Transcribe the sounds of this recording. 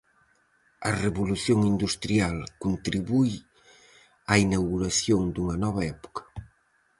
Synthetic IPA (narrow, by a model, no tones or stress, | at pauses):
ɐreβuluθjoŋind̪ust̪ɾialkunt̪ɾiβuj | ainawɣuɾaθjoŋd̪uŋɐnɔβɐɛpu̥kɐ̥